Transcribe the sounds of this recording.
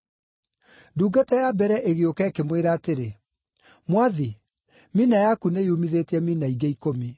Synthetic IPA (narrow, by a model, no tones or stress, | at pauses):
duːɡatɛjabɛɾɛʔeɣeokɛkemweɾaːteɾe | mwaði | minajakunejumiðetɛminaiɡeikomi